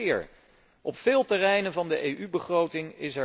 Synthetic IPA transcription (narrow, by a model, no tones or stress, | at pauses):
ɹ | ʔɔpfɪːlˠtɛrɛjnənvɑndəʔejʔybəχrowtɪŋɪsɛ